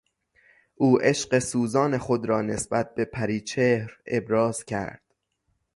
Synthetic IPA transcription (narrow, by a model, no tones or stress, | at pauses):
ʔuːʔe̞ʃɢe̞suːzɒːne̞xod̪ɾɒːne̞sbæt̪̚be̞pʰæɾiːt͡ʃʰehɾe̞̰bɾɒːz̥cʰæ̰ɾd̪̥